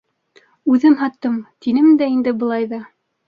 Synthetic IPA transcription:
ʉðɘmɦɑt̪ːɤmt̪inɘmd̪æind̪ɘbɤ̆lˠɑjðɑ

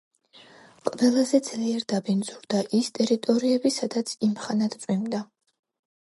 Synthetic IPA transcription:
qʼvɛlˠazɛd̪z̥liɛɾd̪abind̪zuɾd̪aʔist̪ʼɛɾit̪ʼɔɾiɛbisad̪at̪sʰimχanat̪sʼwimd̪a

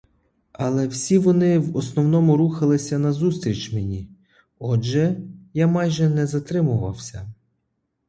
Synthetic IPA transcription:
ɐlˠɛwsʲiʋɔnɪwɔsnɔwnɔmʊɾuxɐlˠɪsʲɐnɐzust̪ɾʲit͡ʃmenʲi | ɔʒɛjamɑjʒɛnɛzɐt̪ɾɪmʊʋɐ̰wsʲɐ

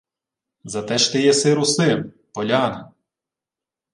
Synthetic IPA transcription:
zɐt̪ɛʃt̪ɛjɛsɪɾʊsɪm | pɔlʲɑnɪ

